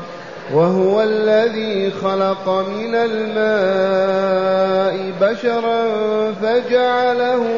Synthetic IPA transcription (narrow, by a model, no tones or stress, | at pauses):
waɦʊwalːaðiːxɑlɑqɑmɪnalmaː | ʔɪbaʃɑɾˤɑnfad͡ʒaʕalahʊ